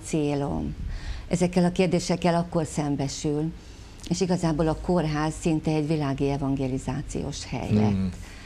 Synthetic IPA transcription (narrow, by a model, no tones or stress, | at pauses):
t̪seːlo̞̰mʔɛzɛkːɛlɒkeːrd̪eːʃɛkːɛlɒkːo̞rsɛmbɛʃyl | eːʃiɡɒzaːboːlɒko̞rɦaːzsint̪ɛːɟvilaːɡiɛvɒŋɡeːlizaːt̪sḭjo̰ːʃhɛ̰jlɛ̰t̪ː